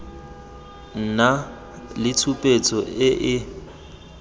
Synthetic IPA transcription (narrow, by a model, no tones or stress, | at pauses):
n̩na | lɪt͡sʰupʼet͡sʼɔɪʔɪ